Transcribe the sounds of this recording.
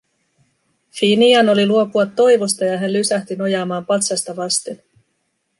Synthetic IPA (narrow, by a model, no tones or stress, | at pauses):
finiɑno̞liluo̞puɑt̪ːo̞jʋo̞st̪ɑjɑɦænlysæht̪yno̞jɑːmɑːmpɑt̪sɑst̪ɑʋɑst̪en